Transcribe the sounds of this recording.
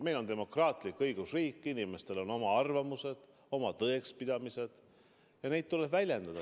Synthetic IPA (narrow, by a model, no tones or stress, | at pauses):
me̞jlo̞nt̪e̞mo̞krɑːt̪ˑlikːɤjɡ̥usriːkˑːinime̞st̪e̞lo̞no̞mɑɑrvɑmuse̞d̪̥ | o̞mɑt̪ɤekspid̪̥ɑmise̞d̪̥ | jɑne̞jt̪̚t̪uleb̥vælʲje̞nd̪ɑd̪̥ɑ